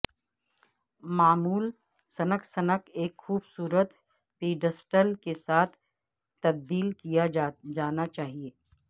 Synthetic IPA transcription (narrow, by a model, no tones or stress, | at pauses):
maːmuːl | sɐnəksɐnəkeːkxuːbsuːɾət̪ | piːɖəsʈəlkesaːt̪ʰ | t̪ːɐb̚d̪iːlkijad͡ʒaːnat͡ʃaːɦieː